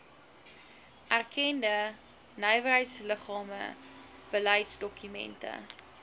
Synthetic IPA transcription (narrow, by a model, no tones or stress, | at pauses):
ʔærkʰɛndə | nœjvərɦəjtsləχɑːmə̰ | b̥əlɐjtsdɔkymɛ̰ntə̰